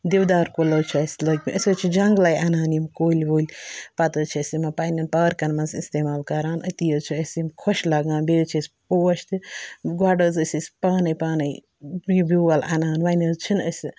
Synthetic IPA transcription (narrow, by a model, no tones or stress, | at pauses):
d̪ewd̪aːɾkolɐːt͡ʃʰuɐsʲlɐɡmʲḭʔəsʲɐt͡ʃʰid͡ʒɐŋɡlajanaːnjimkoːlʲʋoːlʲpɐt̪ət͡ʃʰiɐsʲimɐpaːnʲɐnpaːɾkɐnmɐnzist̪eːmaːlkɐɾaːnə̰t̪ijɐt͡ʃʰuɐsʲimkʰoʃlaɡaːnbeːt͡ʃʰɐsʲpoːɐʃt̪ɨɡwaːɖəzəsʲɐsʲpaːnɐjpaːnɐj | jibiːɐla̰naːnʋanɐzt͡ʃʰinəsʲi